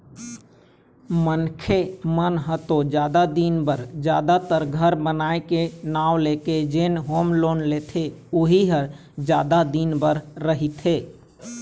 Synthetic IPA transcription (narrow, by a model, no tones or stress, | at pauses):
mənkʰemənɦət̪od͡ʒjad̪ad̪inbəɾd͡ʒjaːd̪at̪əɾɡʱəɾbənaːekenaːwleked͡ʒenɦoːmloːnlet̪ʰeuɦiɦəɾ | d͡ʒjaːd̪ad̪inbəɾːəɦit̪ɦeː